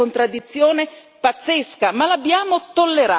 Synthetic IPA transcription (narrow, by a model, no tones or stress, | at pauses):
ont̪ɾad̪ːit̪sːjoːne | pat̪sːeskamalabːjaːmot̪olːeɾa